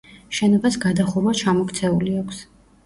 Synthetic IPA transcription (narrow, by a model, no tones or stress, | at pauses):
ʃɛnɔbasɡad̪aχuɾwat͡ʃʰamɔkʰt̪sʰɛuliakʷʰs